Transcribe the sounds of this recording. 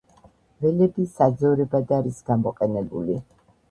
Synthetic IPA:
vɛlɛbisad̪zɔɾɛbad̪aɾisɡ̥amɔqʼɛnɛbṵli

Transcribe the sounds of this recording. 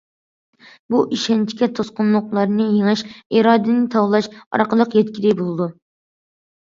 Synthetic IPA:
buʔiʃɛnt͡ʃʰi̥kʲɛt̪ʰosqʊnlˠʊqlˠɑɾnɨjeŋɨʃiɾɑːd̪ɨnɨt̪ʰɑwlˠɑʃɑ̰ɾqəlˠəqjɛt̪kʲiɾɪbolˠɨd̪u

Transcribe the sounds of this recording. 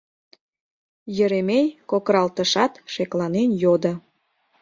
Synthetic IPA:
jə̆ɾemejkokɾɑlt̪əʃɑt̪ʃeklɑnenjod̪ə

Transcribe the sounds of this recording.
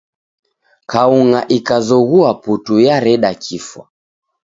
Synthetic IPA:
kauŋaʔikazɔɣuaputujaɾɛɗakʰifwa̰

